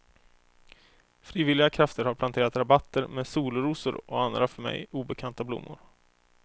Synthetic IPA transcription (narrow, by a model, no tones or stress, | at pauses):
fɾiːvɪlɪɡakʰɾaft̪əɾhaɾplant̪ʰeːɾat̪ɾabat̪ːəɾmeːd̪suːlɾuːsʊ̰ɾɔand̪ɾafœɾmɛ̰juːbəkʰant̪ablʊ̰mːʊ̰ɾ